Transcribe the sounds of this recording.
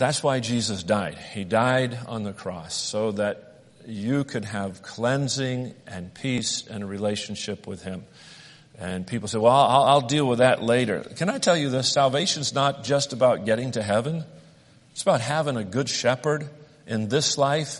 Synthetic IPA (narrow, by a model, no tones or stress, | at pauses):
ðætswaɪd͡ʒizɨsd̥aɪd̥̚idaɪɾ̃n̩ðɨkʰɹ̥ɔ̰soʊðɨt͡ʃ | ɨkʰɨd̚ɨv̥kʰl̥ɛ̃nzɪ̃ŋɨ̃npʰisɨ̃nəɹileɪʃn̩ʃɪpwɪð̥ɪ̃m | ɨ̃npʰipl̩ˠseɪwɛlˠa̰ɪlˠaɪlˠdilˠwəðɨʔˡleɪɾə̰˞kʰɨ̃ñaɪtʰɛlˠjɨðɪsælˠveɪʃɨ̃nznət̚d̥ʒ̥ʌstəbaʊt̚ɡ̥ɛɾɪ̃ŋtʰɨɦɛvɨ̃n | ɨtsəbaʊt̚ɦævɪ̃ŋɨɡʊd̥ʃɛpə˞ɾ | ʔɪ̃nðɪslaɪf